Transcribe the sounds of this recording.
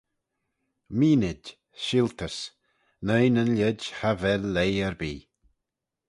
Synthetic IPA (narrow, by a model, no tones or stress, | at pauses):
miːnɪd | ʃɪlt̪ʰəs | nəjnənlʲɛdhavɛlːejɛɹbiː